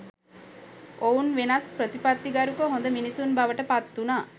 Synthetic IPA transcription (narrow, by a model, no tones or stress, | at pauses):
ʔounʋenaspɾət̪ipat̪ːiɡaɾukəɦond̪əminisunbaʋəʈəpat̪ːunaː